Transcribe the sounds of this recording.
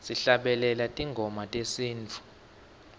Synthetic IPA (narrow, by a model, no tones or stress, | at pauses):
siɬaɓɛlɛlatʼiŋɡʱɔmatʼesiːnt͡fʰu̥